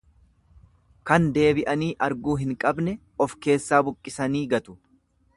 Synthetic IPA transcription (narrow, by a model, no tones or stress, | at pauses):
kɐnd̪e̞ːbɪʔɐniːʔɐɾɡuːɦɪŋkʼɐbnɛ | ɔfke̞ːsːaːbʊkʼːɪsɐniːɡɐt̪ʊ̥